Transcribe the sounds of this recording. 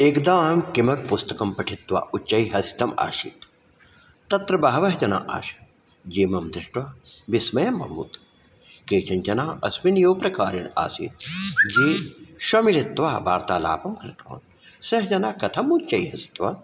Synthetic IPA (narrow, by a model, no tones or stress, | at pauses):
eːkd̪aːmkimɐk̚pust̪ɐkɐmpɐʈʰit̪ʋa̰ːʔut͡ʃt͡ʃːɐiɦɐsi̥t̪ɐma̰ːʃḭt̪ | t̪ɐt̪ɾɐbɐɦɐʋɐɦd͡ʒɐna̰ːʔa̰ːʃɐ̥ | d͡ʒiːmɐmd̪ɾɪʂʈʋɐʋismɐjɐmːɐ̰mṵːt̪ | keːt͡ʃɐnd͡ʒɐnaːɐsminjoːpɾɐkaːɾina̰ːsḭt̪̚d͡ʒiːʃɐmiɾit̪ʋaːbaːɾt̪aːla̰ːpɐmkɾɪt̪o̰ːn | sɐɦd͡ʒɐnaːkɐt̪ʰɐmut͡ʃt͡ʃːɐiɦɐsi̥t̪ʋa̰